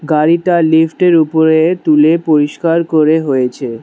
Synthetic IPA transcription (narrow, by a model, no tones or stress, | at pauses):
ɡaɾiʈalifʰʈeɾupoɾet̪ulepoɾiʃkaɾkoɾeɦojet͡ɕʰe